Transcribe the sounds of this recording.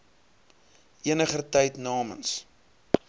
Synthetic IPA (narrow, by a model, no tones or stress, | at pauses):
ʔiənəχətɛjtnɑːmə̰ns